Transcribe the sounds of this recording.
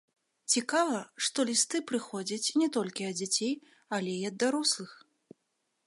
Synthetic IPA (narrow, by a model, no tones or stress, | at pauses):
t͡sʲikavɐʂt̪ɔlʲist̪ɨpɾɨxɔd͡zʲɐt͡sʲnʲɛt̪ɔlʲkʲiɐd̪d͡zʲat͡sʲej | ɐlʲɛiɐd̪ːaɾɔslˠɨx